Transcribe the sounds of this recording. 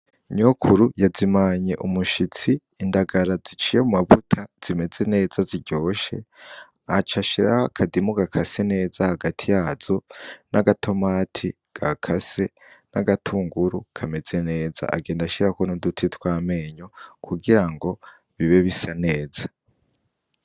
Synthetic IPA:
ɲokʰuɾujazimaɲe̞ʔumuʃit͡siːndaɡaɾazit͡ʃijemumavutʰaz̥ime̞ze̞ne̞ːzaziɟo̞ːʃe̞̰ | at͡ʃaʃiɾakʰadimuɡakʰase̞ne̞ːzahaɡatʰijaːzo̞naɡatʰo̞maːtʰi | ɡ̥akʰase̞ | naɡatʰuːŋɡuɾukʰame̞ze̞ne̞ːza̰ʔaɡe̞ːndaʃiɾakonodutʰitwaːme̞ɲokʰuɡiɾaŋɡo̞ | βiβe̞βisane̞ːza

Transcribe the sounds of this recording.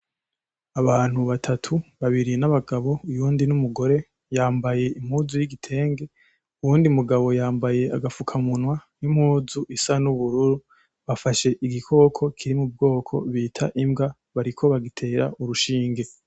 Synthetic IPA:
aβaːn̥huβatʰatʰuβaβiɾinaβaɡaβo̞ujuːndinumuɡo̞ɾe̞ | jaːmbaje̞im̥huːzujiɡitʰe̞ːŋɡe̞ | uwuːndiumuɡaβo̞jaːmbaje̞aɡafukʰamunwanim̥huːzuʔisanuβuɾuɾu | βafaʃe̞ʔiɡikʰo̞ːkʰo̞kʰiɾimub̚ɡo̞ːkʰo̞̰βiːtʰaʔimɡa | βaɾikʰo̞βaɡitʰe̞ːɾa̰ʔuɾuʃiːŋɡe̞

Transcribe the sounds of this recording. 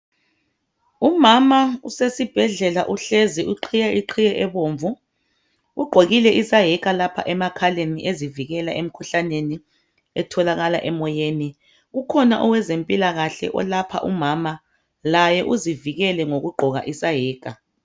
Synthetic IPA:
umamausesib̥ʱɛɮɛlaʔuɬeziʔuǃʰijɛʔiǃʰijɛʔɛβoːɱvu | uɡ͡ǃʱoɣilɛʔisaɦɛk̬ʼalapʰa̰ʔɛmakʰaleniʔeziviɣɛlaʔem̩kʰuɬaneni | ɛtʰɔlaɣala̰ʔɛmɔjeːni | ɣukʰɔna̰ʔɔwɛzempʼilaɣaɬɛ̰ʔɔ̰lapʰa̰ʔumama | lajɛʔuziviɣɛlɛŋoɣuɡ͡ǃʱɔɣa̰ʔisajɛːk̬ʼa

